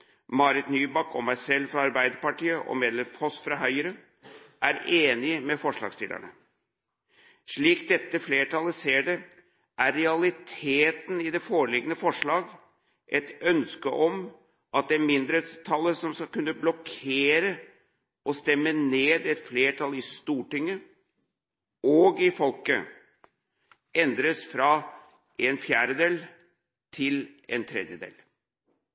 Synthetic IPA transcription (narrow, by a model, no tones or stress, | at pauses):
mɑɾɪt̪nyːbɑkɔmæɪsɛlːfɾɑɑɾbæɪd̪əɾpɑʈiːəʔɔ̰meːd̪lɛmfʰɔsfɾɑɦœʏɾə | ʔæɾeːnɪəmɛfɔʂɭɑ̰ɡst̪ɪ̰lə̰ɳə | ʂɭiːk̚d̪ɛt̪ːəfleːʈʰɑləseːɖə | ʔæɾɾɛɑlɪt̪ʰeːt̪n̩ɪd̪ɛfoːɭɪɡənəfɔʂɭɑːɡ | ʔɛt̪œnskəʔɔm | ʔɑt̪̚d̪ɛmɪnd̪ɾət̪st̪ʰɑlːəsɔmskɑlkʉnːəblɔkʰeːɾə | ʔɔst̪ɛmːəneːd̪ɛt̪fleːʈʰɑlːɪst̪uːʈɪŋːə | ɔɡɪfɔlkə̰ | ɛnd̪ɾəsfɾɑ | ɛnfjæːɾəd̪eːl | t̪ʰɪlɛ̰nt̪ʰɾɛ̰d̪jəd̪ḛːl